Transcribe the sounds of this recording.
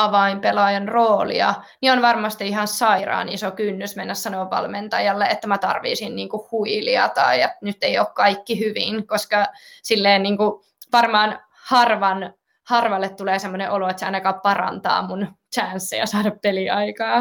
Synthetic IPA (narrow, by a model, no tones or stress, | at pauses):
ɑʋɑimpelɑjɑnroːlḭɑ̰nionʋɑrmɑst̪iihɑssɑirɑ̰ːnisokynːysmenːæssɑnoʋːɑ̰lment̪ɑjɑlːeet̪ːæmæt̪ɑ̰rʋḭːsinniːŋkuhhuiliɑ̰t̪ɑ̰iet̪nyt̪ːeijoːkkɑikːihyʋḭnkoskɑsilːeːnniːŋku | ʋɑrmɑːn | hɑrʋɑn | hɑrʋɑlːet̪t̪uleːsemːoneʔoloet̪seɑ̰inɑkɑːppɑrɑ̰nt̪ɑ̰ːmunt͡ʃæːnsːḛjɑsɑːɾɑppeliɑikɑː